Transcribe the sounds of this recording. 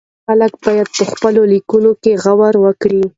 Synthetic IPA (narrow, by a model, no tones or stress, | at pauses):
xalək̚bɑjad̪̚pəxpəlolikunokeɣawaɾwəkɽi